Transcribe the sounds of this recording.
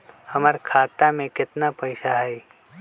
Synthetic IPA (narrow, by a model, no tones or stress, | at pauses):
hɐməɾkʰaːt̪amẽkɪt̪napɐɪʃaɦɛɪ